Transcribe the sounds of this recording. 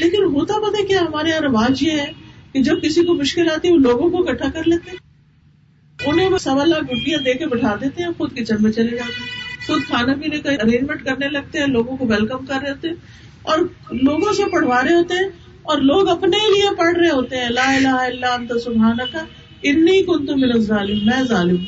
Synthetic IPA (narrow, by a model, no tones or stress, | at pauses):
leːkɪnɦoːt̪abɐt̪ɛkjaːɦɐmaːɾeɐ̃ɾɐʋaːd͡ʒjeɦɛkid͡ʒɐb̚kɪsikomʊʃkɪlaːt̪iɦɛoloːɡõkoɡɐʈʰːakɐɾleːt̪eɦɛ̃ | ʊnɦẽmesɐbəlːaɡʊɖːijãd̪eːkebɐʈʰaːd̪eːt̪eɦɛ̃xʊd̪kid͡ʒɐnmẽt͡ʃɐled͡ʒaːt̪eɦɛ̃sʊd̪̚kʰaːnapiːnekaɐɾeːd͡ʒmẽɳʈ̚kɐɾnelɐɡ̚t̪eɦɛ̃loːɡõkoʋɛlkəmkɐɾːeɦoːt̪eɦɛ̃ | ɔːɾloːɡõsepɐɽ̤ʋaːɾeɦoːt̪eɦɛ̃ː | ɔːɾloːɡɐpneliepɐɽ̤ɾɐeɦoːt̪eɦɛ̃laːɪlaːɦɪlːaɐ̃nt̪asʊbʱaːnɐka | ɪnːikʊnt̪ʊbɪnɐzɾaːlɪmːɛ̃ːzaːlɪm